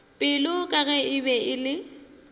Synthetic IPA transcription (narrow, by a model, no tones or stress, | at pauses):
pʼɪlʊkʼaɣɛɪbɛɪlɪ